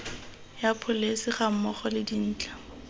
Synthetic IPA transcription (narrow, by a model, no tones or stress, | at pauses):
japʰʊlesɪχam̩mɔχɔlɪdin̩ːt͡ɬʼḁ